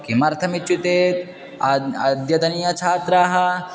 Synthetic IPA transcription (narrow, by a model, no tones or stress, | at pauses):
kimɐɾt̪ʰɐmit͡ʃut̪eːt̪ | ɐd̪jɐt̪ɐnijɐt͡ʃʰaːt̪ɾaːɦɐ